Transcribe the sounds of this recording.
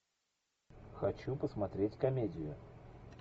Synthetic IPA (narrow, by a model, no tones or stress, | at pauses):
xɐt͡ɕupəsmɐt̪ɾʲetʲkɐmʲedʲɪjʊ̰